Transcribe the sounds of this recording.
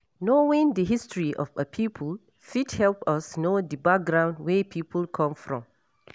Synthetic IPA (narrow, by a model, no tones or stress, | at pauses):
nowĩndəɦistɹiʔɔ̰fəpʰipʰəl | fithɛlpɔsnodəbak̚ɡɹãʊ̃ndwepʰiːpʰəlkʰɔ̃mfɹɔ̰̃m